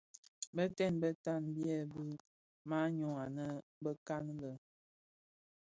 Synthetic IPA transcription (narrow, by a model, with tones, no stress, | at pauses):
bə˦tɛ˦˨nbə˦ta˦˨nbjɛ˦˨bɨ˦ | ma˦ɲɔ˨ŋa˨nə˦bə˦ka˦n˦lə˨